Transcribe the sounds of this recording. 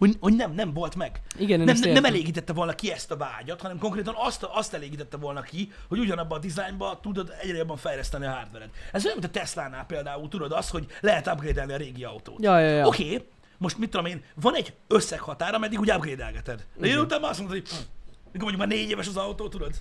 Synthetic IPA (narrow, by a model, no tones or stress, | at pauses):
ho̞ɟho̞ɟnɛmnɛɱvo̞lt̪mɛɡiɡɛnnɛmɛɛmɛleːɡiːt̪ɛt̪ːɛvo̞lnɒkiɛst̪ɒva̰ːɟɒt̪hɒnɛmko̞ŋkreːt̪ɒnɒst̪ɒst̪ɛleːɡiːt̪ɛt̪ːɛvo̞lnɒki | ho̞ɟuɟɒnɒbːɒːd̪izajmbɒt̪ud̪o̞d̪ɛɟrɛjo̞bːɒɱfɛjlɛst̪ɛniɒɦaːrd̪vɛɾɛd̪ɛzojnmint̪ɛslaːnːaːpeːld̪aːult̪ud̪o̞d̪ɒst̪ho̞ɟlɛɦɛt̪abɡreːd̪ɛlniɒɾeːɡiɒwt̪o̰ːt̪jjokeː | moʃt̪mit̪ːod̪omeːnvɒnɛɟːøsːɛkhɒt̪aːɾɒmɛd̪ːiɡuːɟabɡreːd̪ɛ̰lɡɛt̪ɛd̪d̪ɛenut̪aːmːaɒs̬monhomikomɲɟukmaːɾneːɟeːvɛʃɒzɒwt̪oːt̪ud̪o̞d̪